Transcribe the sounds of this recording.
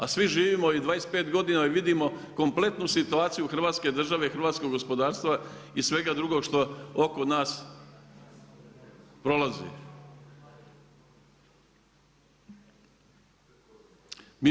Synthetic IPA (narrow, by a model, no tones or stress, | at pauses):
asʋiʒiːʋiːmoid̪ʋaːɾespe̞ːt̪ɡo̞d̪inaiʋid̪imo̞ko̞mple̞t̪nusit̪uaːt̪sijuxɾr̩ʋaːt̪ske̞d̪r̩ʒaʋe̞xɾ̩ʋaːt̪sko̞ɡo̞spo̞d̪aːɾst̪ʋaisʋe̞ɡad̪ɾuɡo̞ɡʃt̪o̞oko̞naːs | pɾo̞lazḛ | mi